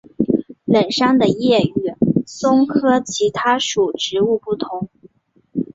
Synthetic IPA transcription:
lə˨˩nʂa˥ŋd̪ə˨jɛ˥˧y˥˩sʊ˥ŋkʰɤ˥t͡ɕʰi˧˥t̪ʰa˥ʂu˨˩ʈ͡ʂɻ̩˧˥u˥˧pu˥˩t̪ʰʊ˧˥ŋ

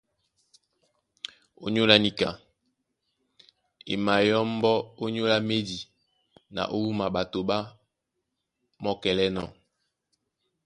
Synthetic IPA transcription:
o̰˦ɲo˦la˦ni˨ka̰˨ | ḛ˨ma˨jɔ˦mbɔ˦o˦ɲo˦la˦me˦di˨ | na̰˨ʔo˦wu˦ma˨ɓa˨to˨ɓa˦ | mɔ˦kɛ˨lɛ˦nɔ̰˨

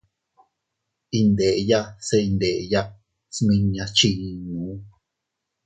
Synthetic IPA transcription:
i˧nd̪e˨ʔja˦se˧i˧nd̪e˨ʔja˦ʔ | smĩ˧ɲã˧t͡ʃi˦˧ɲ˧ñũː˨˦

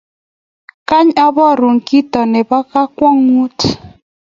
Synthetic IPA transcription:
ka˦ɲa˦bɔ˦˨ɾu˨ŋ˨ki˦tɔ˨ne˨ba˦ka˦kwɔ˦ŋu˦t

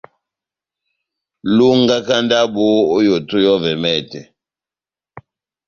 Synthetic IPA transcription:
lu˦ŋɡa˦ka˦nda˦ɓoː˦jo˨tu˦jɔ˦vɛ˨mɛ˦˨tɛ˨

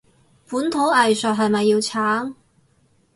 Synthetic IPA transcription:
puː˨˥nt̪ʰo˨˥wɐ˨jsœː˨˩ɦɐ˨jmɐ˨jːiː˧wt͡sʰaː˨˥ŋ

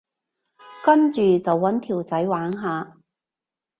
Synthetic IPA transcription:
kɐ˥nt͡ʃyː˨t͡sɐ˨wːɐ˨˥nt̪ʰiː˨˩wt͡sɐ˨˥jwaː˨˥ŋɦaː˨

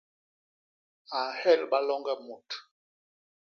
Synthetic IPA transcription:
a˨hɛ˦˨lɓa˦lɔ˦ŋɡɛ˦mu˨t

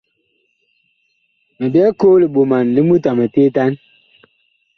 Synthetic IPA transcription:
me˨bjɛ˦ko˦li˨ɓo˨ma˨nli˦mu˦ta˨me˨te˦ta˦n

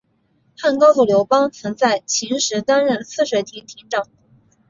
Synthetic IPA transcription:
xa˥˩nkɑ˥ʊsu˥˩ljo˧˥ʊpɑ˥ŋt͡sʰɤ˧˥ŋt͡sa˥˩ɪt͡ɕʰi˧˥ŋʂɻ̩˧˥t̪a˥nɻə˥˩nsʰɹ̩˥˩ʂwe˧˩ɪt̪ʰi˧˥t̪ʰi˧˥nʈ͡ʂɑ˥˩ŋ

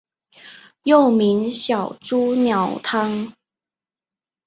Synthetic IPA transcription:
jo˥˩ʊmi˧˥ŋɕjɑ˨˩ʊʈ͡ʂu˥njɑ˨˥ʊt̪ʰɑ˥ŋ

